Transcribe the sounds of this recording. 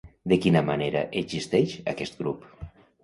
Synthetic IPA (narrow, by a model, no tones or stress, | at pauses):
d̪ekinamaneɾa̰ʔezist̪ɛʃa̰kɛst̪̚ɡɾup